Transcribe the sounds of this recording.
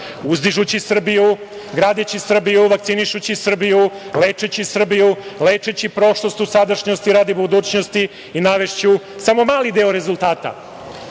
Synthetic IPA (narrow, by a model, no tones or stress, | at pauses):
uzd̪iʒut͡ɕisr̩biju | ɡɾaːd̪et͡ɕisr̩bijuʋakt̪siniʃut͡ɕisr̩bijuleːt͡ʂet͡ɕisr̩bijuleːt͡ʂet͡ɕipɾo̞ʃlˠost̪usad̪aʃɲo̞st̪iɾaːd̪ibud̪uːt͡ɕno̞st̪i | inaʋe̞ʃt͡ɕusamo̞maːlid̪e̞oɾe̞zulˠt̪aːt̪a̰